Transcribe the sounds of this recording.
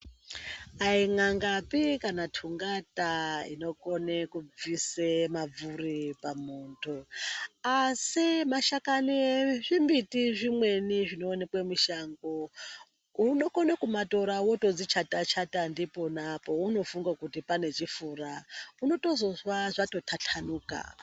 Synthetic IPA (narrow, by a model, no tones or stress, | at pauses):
aiŋaŋɡapikanatʰuŋɡataḭno̞ko̞nekub͡visemab͡vuripamuːntʰu | asimaʃakanieʐimbitiʐimwe̞niʐino̞ːnekwemiʃaŋɡo | uno̞konekumato̞ɾawotod͡zit͡ʃatat͡ʃʰatandipo̞napo̞uno̞fuŋɡakutipane̞t͡ʃifurauno̞to̞zo̞zwaʐato̞tʰatʰanuːka̰